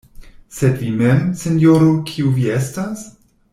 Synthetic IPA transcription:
sedvimemsenjoɾukʰiuviestas

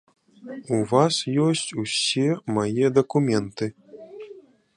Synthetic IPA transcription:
uvasjɔsʲt͡sʲusʲemajɛd̪ɐkumʲɛnt̪ɨ

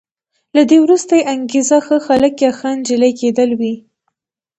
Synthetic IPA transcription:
lad̪ewɾust̪ajeʔaŋɡezaxəxaləkjɑxand͡ʒɪlajked̪əlwi

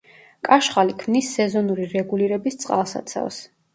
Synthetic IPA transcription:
kʼaʃχalikʰmnisːɛzɔnuɾiɾɛɡuliɾɛbist̪sʼqʼa̰lˠsa̰t̪sʰa̰vs

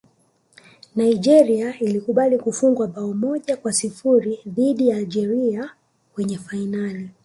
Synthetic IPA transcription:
naiʄɛɾiailikuɓalikufuŋɡwaɓaɔmɔʄakwasifuɾiðiɗijaːlʄɛɾia | wɛɲɛfainali

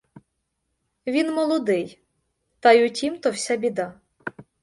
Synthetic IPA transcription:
ʋʲinmɔlˠɔd̪ɪj | t̪ɐjʊtʲimt̪ɔwsʲabʲid̪a

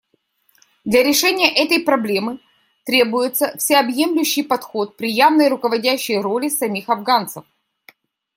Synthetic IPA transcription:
d̪lʲɐɾʲɪʂɛnʲɪjəʔɛt̪əjpɾɐblʲe̞mɨ | t̪ɾʲe̞bʊjɪt̪səfsʲɪɐbje̞mlʲʉɕːɪjpɐt̪xo̞t̪̚pɾʲɪjavnəjrʊkəvɐdʲæɕːɪjro̞lʲɪsɐmʲixɐvɡant̪səf

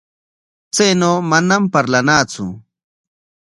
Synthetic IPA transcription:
t͡sajnoːmanampaɾlanaːt͡sʊ̰

